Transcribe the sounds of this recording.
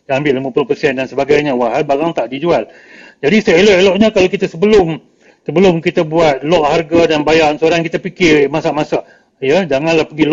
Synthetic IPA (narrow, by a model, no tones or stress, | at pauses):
jaŋambɪlʔliməpulʊpərsɛndansəbaɡajɲawaɦalbaɾaŋt̪aʔdid͡ʒual | d͡ʒadisəelɔʔeloʔɲakalokit̪asəbəlʊm | səbəlʊmkit̪abuat̪̚lɔʔharɡadanbajaʔnsəoɾaŋkit̪apikɪrmasaʔmasaʔ | jəd͡ʒaŋanlahpəɡil